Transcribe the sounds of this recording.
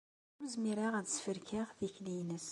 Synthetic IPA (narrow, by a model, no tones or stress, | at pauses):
məzmiɾaʁæðsfəɾkʰaʁðiçlijnəs